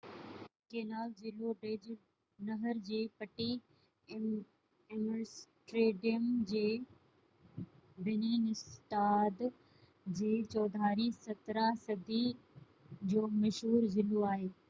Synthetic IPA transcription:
keːnaːlzɪloɖeːd͡ʑ | nɐɦəɾd͡ʑiːpɐʈi | msʈɾeːɖijəmd͡ʑeː | bɪniːnɪst̪aːd̪ | d͡ʑeːt͡ɕɔːd̪ʱaːɾisɐt̪ɾasɐd̪i | d͡ʑoːmɐʃɦuːɾzɪloaːɦeː

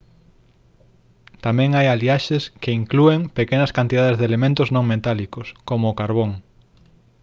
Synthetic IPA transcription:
t̪amɛ̃ŋajaliaʃeskeiŋklueŋpekenɐskant̪iðaðezðelemẽnt̪ʊznõŋmet̪alikʊskomʊːkaɾβoŋ

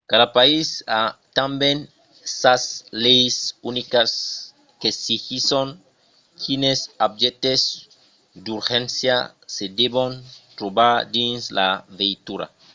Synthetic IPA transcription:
kaðapaisat̪ambẽn | saslejsunikas | kesixisoŋ | kʰinesab̚d͡ʒet̪ez | d̪uɾxẽnsja̰sed̪eβont̪ɾobaɾd̪inslavejt̪uɾa̰

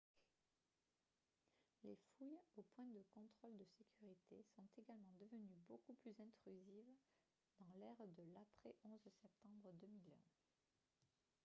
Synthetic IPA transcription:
lefujopwɛ̃d̪əkɔ̃t̪χɔld̪əsekʲyʁit̪esɔ̃t̪eɡalmɑ̃d̪əvənybokuplyzɛ̃t̪χyziv | d̪ɑ̃lɛʁd̪əlapχɛʔɔ̃zsɛp̚t̪ɑ̃bʁəd̪əmilɛ̰̃

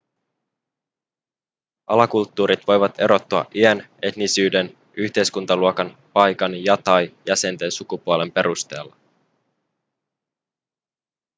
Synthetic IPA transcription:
ʔɑlɑkult̪ːuːɾit̪ʋo̞jʋɑt̪e̞ɾo̞t̪ːuɑ̰ʔiæne̞t̪nisyːde̞n | ʔyçt̪e̞jskunt̪ɑluokɑnpɑjkɑnjɑt̪ɑjjæse̞nt̪e̞nsukupuole̞mpe̞ɾust̪e̞ːlːɑ

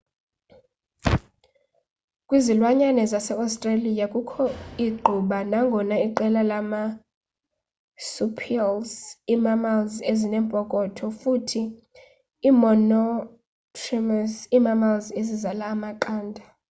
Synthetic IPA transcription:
kʼwizilwaɲanɛzasɛastʼralijakʼukʰɔiɡ͡ǃʱuɓanaŋɡʱɔnaiǃɛlalama | supʰialzimamalzezinɛmpʼɔkʼɔtʰɔfutʰiː | mɔnɔ | tʰrimasimamalzezizalaːmaǃaːndʱa

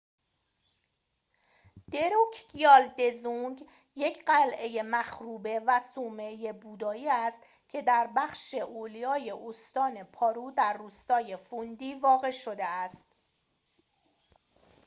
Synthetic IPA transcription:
d̪̥e̞ɾucʰɡijɒːld̪e̞zuŋɡ | je̞cʰɢælʔe̞je̞mæxɾuːbe̞væsuːme̞je̞buːd̪ɒːiːæst̪ | cʰe̞d̪æɾbæxʃe̞ʔoːlijɒːje̞ʔost̪ɒːne̞pʰɒːɾuːd̪æɾːuːst̪ɒːje̞fund̪iːvɒːɣe̞ʃo̞d̪eæst̪

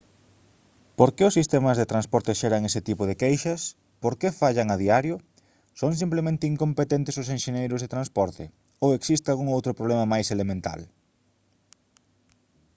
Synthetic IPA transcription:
poɾkeʊsːist̪emɐzðet̪ɾanspɔɾt̪eʃeɾɐŋesɪt̪ipʊð̞ekejʃɐs | poɾkefaʎɐŋaðiaɾjʊ | soŋs̬implemẽnt̪ɪiŋkõmpet̪ent̪ɪsʊsẽnʃeɲejɾʊzðet̪ɾanspɔɾt̪ɪ̰ | oweksist̪ealɣuŋowt̪ɾʊpɾoβlemɐmajselemẽnt̪a̰l

